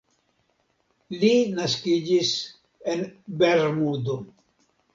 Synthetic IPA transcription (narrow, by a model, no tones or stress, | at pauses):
linaskid͡ʒis | enbeɾmudo